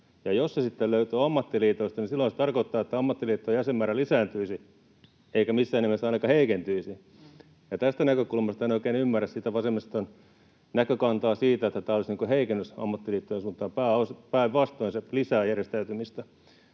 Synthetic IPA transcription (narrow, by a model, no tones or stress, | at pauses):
jɑjossesit̪ːelløyt̪øːɑmːɑt̪ːiliːt̪oist̪ɑnisilːoinse̥t̪ɑrkoit̪ːɑːet̪ːæɑmːɑt̪ːiliːt̪ːoːjæsemmæːrælisæːnt̪yisi | eikæmisːæːenemːesːɑinɑkɑheikent̪yisi | jɑt̪æst̪ænækøkulmɑst̪ɑenoˑikeːnymːæræssit̪æʋɑsemːist̪on | nækøkɑnt̪ɑːsiːt̪æet̪ːæt̪æːolisniːŋkoheikenːøsɑ̰mːɑt̪ːiliːt̪ːojensunt̪ɑːmpæːospæiʋʋɑst̪oinselisæːjærjest̪æyt̪ymist̪æ